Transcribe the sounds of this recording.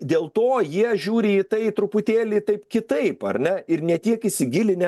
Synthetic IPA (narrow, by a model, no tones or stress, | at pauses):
d̪ʲeːlˠt̪oːjiɛʒʲuːɾʲɪit̪ɐɪt̪ɾʊpʊt̪ʲeːlʲɪːt̪ɐɪpkʲɪt̪ɐɪpɐ̰ɾʲnʲɛɪɾnʲɛt̪ʲiɛkɪsʲɪɡʲɪlʲɪnʲɛ